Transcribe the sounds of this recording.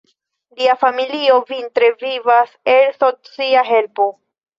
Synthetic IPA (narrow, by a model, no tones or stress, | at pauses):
liafamilio̞vintɾevivaselsot͡siaɦe̞lpo̞